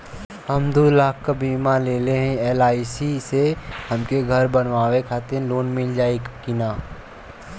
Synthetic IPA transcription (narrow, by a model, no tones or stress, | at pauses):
həmd̪oːlaːkʰkabiːmaleːleɦɛ̃eːlaːisisehɐmkeɡʱəɾbənʋaːwekʰaːt̪eloːnmɪld͡ʒaːekɪnaː